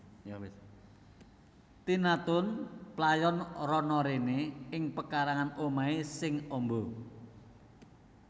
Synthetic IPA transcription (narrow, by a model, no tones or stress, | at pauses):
j | t̪inat̪ʊnplajɔnrɔnɔɾeneɪŋpəkaɾaŋanomaisɪŋɔmbo